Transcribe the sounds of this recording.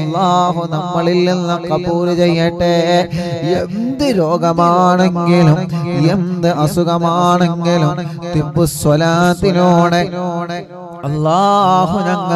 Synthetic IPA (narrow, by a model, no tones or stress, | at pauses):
lːaːɦunɐmːɐɭilninːɐkɐpuːɾt͡ɕejːɐʈːe | end̪ɨɾoːɡɐmaːɳeŋɡilumend̪ɨʔɐsuɣɐmaːɳeŋɡilumt̪ibːuswɐlaːt̪ːinoːɽee | ɐlːaːɦunɐŋːɐ